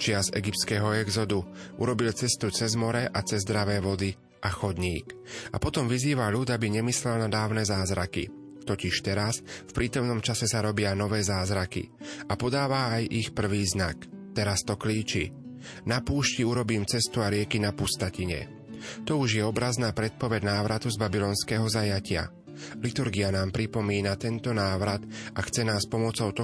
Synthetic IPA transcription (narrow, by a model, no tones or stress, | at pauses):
t͡ʃɪazɛ̰ɡip̚t̪skɛːɦɔɛɡzɔd̪uṵɾɔbilt͡sɛst̪ut͡sɛzmɔɾɛʔat͡sɛzd̪ɾaʋɛːʋɔd̪i | ʔaxɔd̪ɲiːka̰pɔt̪ɔmʋiziːʋaʎud̪abiɲɛmislɛlnad̪aːʊnɛːzaːzɾakḭ | t̪ɔciʃt̪ɛɾasfpɾiːt̪ɔmnɔmt͡ʃasɛsaɾɔbɪanɔʋɛːzaːzɾakḭapɔd̪aːʋaːjixpr̩ʋiːznakt̪ɛɾast̪ɔkliːt͡ʃi | napuːʃciuɾɔbiːmt͡sɛst̪uaɾɪɛkinapust̪aciɲɛ̰ | t̪ɔuʒjɛɔbɾaznaːpɾɛt̪̚pɔʋɛɟnaːʋɾat̪uzbabilɔːnskɛːɦɔzajacɪa̰ | lit̪uɾɡianaːmpɾipɔmiːnat̪ɛnt̪ɔnaːʋɾat̪axt͡sɛnaːspɔmɔt͡sɔʊt̪ɔ